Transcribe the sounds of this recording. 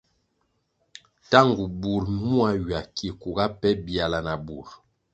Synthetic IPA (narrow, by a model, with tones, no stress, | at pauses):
ta˦ŋɡu˨bu˨ɾmu˦a˦ɥa˨ki˨ku˨ɡa˦pɛ˦bi˦˨a˨la˨na˨bu˨ɾ